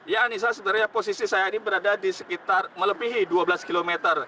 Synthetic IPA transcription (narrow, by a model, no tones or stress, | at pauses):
ijaːnis̬asədaɾaɲaposisisajainibəɾadadisə̥kit̪armələpiɦiduabəlaskilomet̪ər